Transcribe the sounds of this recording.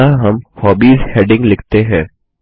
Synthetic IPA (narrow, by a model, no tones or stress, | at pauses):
aɦɐmhɔːbiːzheːɖɪ̃ŋɡlɪkʰt̪eɦɛ̃ː